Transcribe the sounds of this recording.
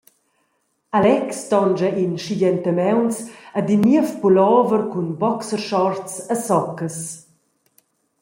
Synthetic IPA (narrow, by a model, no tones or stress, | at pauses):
alɛkst̪ɔnd͡ʒainʃidɛnt̪əmɛwnsad̪imiəfpulɔːvəɾkunbɔksəɾʃɔɾtt͡sasɔkəs